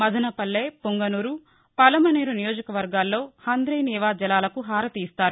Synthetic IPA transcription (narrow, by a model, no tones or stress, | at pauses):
mɐd̪ʱɐnɐpɐlːeːpuŋɡɐnuɾu | pɐlɐmɐneːɾunijoːd͡ʒɐkɐʋɐɾɡaːlːo̞ːhɐnd̪ɾejniːʋaːd͡ʒɐlaːlɐkuɦaːɾɐt̪iːst̪aːɾu